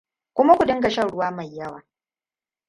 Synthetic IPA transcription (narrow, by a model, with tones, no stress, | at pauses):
kʷʊ˦ma˦kʷu˨dɪ˦ŋɡɐ˨ʃɐ˦˨ɽʊ˦waː˦ma˨jːɐ˦wa̰ː˨